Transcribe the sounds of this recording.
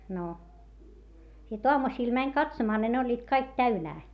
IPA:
no sit oɑmusiːl mænʲ kɑtsomɑː ni ne olʲːiːt kɑik tæynæː

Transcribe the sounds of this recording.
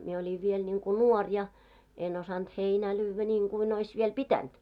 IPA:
mie olʲiʋ ʋiel nʲiŋku nuɔr jɑ en osɑnt heinæː lyːʋːæ nʲiːŋɡ̊uin ois ʋiel pitænt

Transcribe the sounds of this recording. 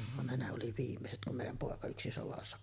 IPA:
ʋɑn ne ne oli ʋiːmːeset kum meˑijˑæm poˑekɑ yksi soʋɑsːɑ

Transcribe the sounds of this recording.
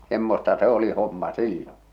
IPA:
semːostɑ se oli homːɑ silːõː

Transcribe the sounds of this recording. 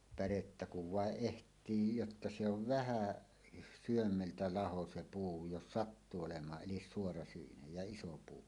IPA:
pæretːæ kuʋ ʋɑˑeʔ ʔehtˑiː jotːɑ se oʋ ʋæhæˑ syømːeltæ lɑho se puː jos sɑtːuː olemˑɑː ʔelis suorɑsyinej jɑ iso puː

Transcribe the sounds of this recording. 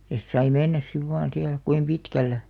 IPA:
jɑ sit sɑi menːæs siʋ ʋɑːn siæl kuim pitkælːæ

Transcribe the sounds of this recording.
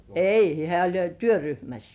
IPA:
ei hĕæˑ olʲ jo tyøryhmæs

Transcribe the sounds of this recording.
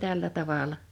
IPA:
tælːæ tɑʋɑˑlˑɑ

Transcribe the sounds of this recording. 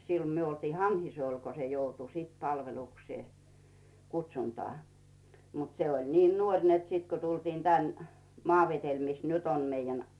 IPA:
silːo̥ myø oltiː hɑnhisŭol ko se joutu siˑt pɑlʋelukseː kuts̆ʲuntɑː mut seolʲ niːn nuorʲ net sit ko tultiːn tæn mɑːʋetel mis nyt om meijːæn

